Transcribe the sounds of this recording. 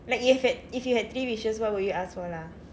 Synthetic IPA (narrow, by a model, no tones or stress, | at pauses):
laɪkjuhɛfɛd̚ifjuhɛd̚t̪ɹiɹiʃə̃swɔt̚wudjuasfɔla